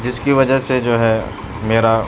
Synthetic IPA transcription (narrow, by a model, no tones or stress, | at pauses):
d͡ʒɪskiʋɐd͡ʒəɦsed͡ʒoːɦɛː | meːɾa